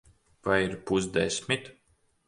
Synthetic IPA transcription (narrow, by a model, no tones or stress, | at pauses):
vajiɾpuzd̪eɛsʲmʲit̪